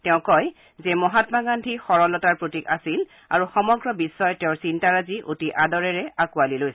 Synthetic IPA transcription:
tɛʊ̃kɔj | zɛmɔɦatmaɡandʱixɔɹɔlɔtaɹpɹotika̰sil | a̰ɹuxɔmɔɡɹɔbisːɔjɔtɛʊ̃ɹsintaɹaziʔo̰tiʔadɔɹɛɹɛakualilojs

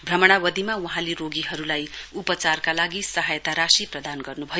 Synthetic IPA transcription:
bʱrʌmʌɽ̃awʌd̪ʱimawʌɦãleɾoɡiɦʌɾulajupʌt͡sarkalaɡisʌɦajʌt̪aɾasiprʌd̪anɡʌrnubʱʌjo

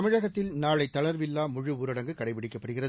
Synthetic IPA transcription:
ɐmɪɻɐɣɐt̪ːɪlnaːɭɐɪt̪ːɐɭɐɾʋɪlːaːmʊɻɯuːɾɐɽɐŋɡɯkɐɽɐɪpɪɽɪkːɐpːɐɽɯɣɪrɐð

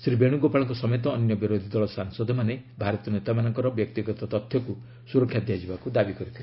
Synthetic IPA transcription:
sɾibeɽ̃uɡopaɭɔŋkɔsɔmet̪ɔːnjɔbiɾod̪ʱid̪ɔɭɔsaŋsɔd̪ʱɔmanebʱaɾɔt̪ijɔnet̪amanɔŋkɔɾɔbjɔk̚t̪iɡɔt̪ɔt̪ɔt̪ʰjɔku | suɾɔkʰjad̪jad͡ʒibakud̪abikɔɾit̪ʰil

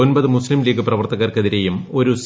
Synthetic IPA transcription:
o̞nbɐðɨmuslimliːɡɐprɐʋɐrt̪ɐɣɐrkeðiɾejumo̞ɾus

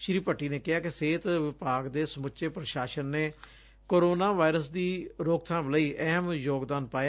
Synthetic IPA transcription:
ʃɾiːpəʈːiːnẽːkɪɦaːkɪseːt̪ʋɪpaːɡd̪eːsəmʊʃeːpɾəʃaːʃənːeː | koːɾoːnaːʋaːɾəs̬d̪iːɾoːk̚t̪ʰãːmləiːʔɛɦmjoːɡd̪aːnpaːja

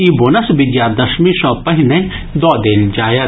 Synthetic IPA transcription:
iːbonɐsbid͡ʒjaːd̪ɐʃmiʃɔːpɐɦinẽ | d̪ɔːd̪eːld͡ʒaːjɐ

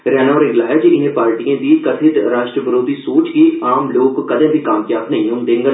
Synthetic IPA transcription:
ɾɛːnaɔːɾɪɡlaːɦɛd͡ʒiɪnẽpaːɾʈiẽd̪iːkɐt̪ʰɪt̪ɾaːʃʈɾəʋəɾoːd̪ʱisoːt͡ʃɡiekaːmloːɡkokɐd̪ə̃bʱikaːmjaːbnɐɦĩũnd̪ẽŋɡə

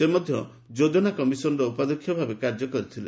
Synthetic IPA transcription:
semɔd̪ʱjɔ | d͡ʒod̪ɔnakɔmisɔnɔɾɔupad̪ɔkʰːjɔbʱabekaɾd͡ʒɔkɔɾit̪ʰile

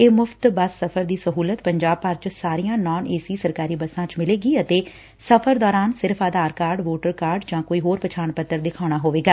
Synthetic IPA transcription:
eːmʊfʰt̪bəsːəpʰəɾd̪iːsəɦuːlət̪pəɲd͡ʒaːb̚pəɾt͡ʃsaːɾijãːnɔːneːsiːsəɾkaːɾiːbəsãːt͡ʃmɪleːɡiːət̪eː | səpʰəɾd̪ɔːɾaːnsɪɾpʰaːd̪aːɾkaːɾɖʋoːʈəɾkaːɾɖd͡ʒãːkoːiːɦoːɾpət͡ʃʰaːɳpət̪ːəɾd̪ɪkʰaːɽ̃aːɦoːʋeːɡaː

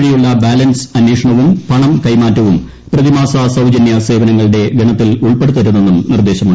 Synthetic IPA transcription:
ɻijuɭːɐbaːlɐnsɐnːeːʂɐɳɐʋumpɐɳɐmkɐjmaːtːɐʋum | prɐðimaːsasɐwd͡ʑɐnjɐse̞ːʋɐnɐŋːɐɭɨɽe̞ɡʱɐɳɐt̪ːiluɭpe̞ɽut̪ːɐɾunːe̞nːumnird̪eːɕɐmaː

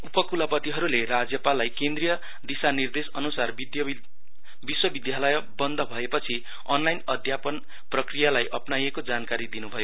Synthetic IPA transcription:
upʌkulapʌt̪iɦʌɾulerad͡zjʌpalːajkend̪rijʌ | d̪isanird̪esʌnusar | d̪j | biswʌbid̪jalʌjʌ | bʌnd̪ʱʌbʱʌepʌt͡sʰi | ʌnlajnʌd̪ʱjapʌn | prʌkrijalajʔʌpnajekod͡zankaɾid̪inubʱʌjo

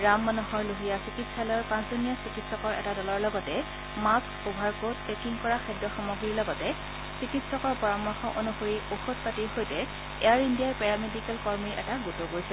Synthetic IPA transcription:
ɹamːanɔɦɔɹloɦijasikitsalɔjɔɹpãszɔnijasikitsɔkɔɹʔɛ̰tadɔlɔɹlɔɡɔtɛ | mak | obʱaɹkotpekiŋkɔɹaxɛdːɔxɔmɔɡɹiɹlɔɡɔtɛ | sikitsɔkɔɹpɔɹamɔɹxɔʔonuxoɹioxot̚patiɹɦojtɛ | ɛ̰aɹindijaɹpɛɹamedikɛlkɔɹmiɹʔɛ̰taɡutɔɡojsɛ

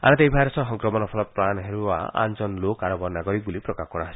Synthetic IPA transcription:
a̰ñɔt̪eibʱajɾɔsɔɦɔŋkɾɔmɔnɔpʰɔlɔpɾanɦeɾua̰a̰nd͡ʒɔnlokaɾɔbɔnaɡɔɾik̚bulipɾɔkakɔɽ̃aɦasi̥

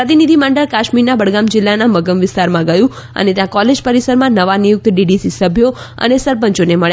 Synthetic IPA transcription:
pɾət̪inid̪ʱimãɳɖəɭkaʃmiɾnabəɽɡamd͡ʒɪlːanaməɡəmʋɪst̪aɾmãɡəjũ | ə̰net̪jãkɔled͡ʒpəɾisəɾmãnəʋanijʊk̚t̪ɖiɖisisəbʱjo | ə̰nesəɾpəɲt͡ʃoneməɭja

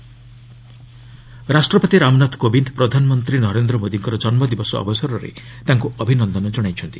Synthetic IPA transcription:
ɾasʈɾɔpɔt̪iɾamnat̪ʰkobind̪pɾɔd̪ʱanɔmɔnt̪ɾinɔɾend̪ɾɔmod̪iŋkɔɾɔd͡ʒɔnmɔd̪ibɔsɔɔ̰bɔsɔɾɔɾḛt̪aŋkuʔɔbʱinɔnd̪ɔnɔd͡ʒɔɽ̃ajt͡ʃʰɔnt̪ḭ

